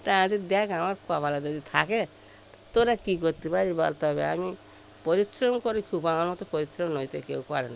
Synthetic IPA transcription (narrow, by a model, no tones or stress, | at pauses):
t̪aãd͡ʒid̪akamaɾkuabalad͡ʒɔd̪it̪ʰake | t̪oɾakikɔɾt̪ipaɾiba̰lt̪ɔɔβḛa̰mi | pɔɾisɾɔmkɔɾikʰubaŋanɔt̪ɔpɔɾisɾɔmnɔjt̪ekewkaɾena